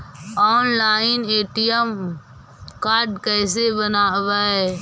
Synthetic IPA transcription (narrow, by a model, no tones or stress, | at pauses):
ɔːnlaːɪneːʈijəm | kaːɾɖkəːsebənaʋaːɦɛː